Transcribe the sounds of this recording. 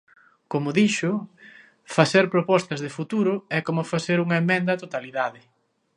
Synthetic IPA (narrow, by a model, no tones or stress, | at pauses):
komʊðiʃʊ | faseɾpɾopɔst̪ɐzðɪfut̪uɾʊɛkomʊfaθeɾuŋɐemẽnd̪ɐt̪ot̪aliðaðɪ